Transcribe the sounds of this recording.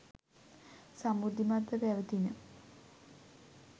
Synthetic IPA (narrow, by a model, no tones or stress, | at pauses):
samud̪ʱimad̪ːəbɛʋət̪inə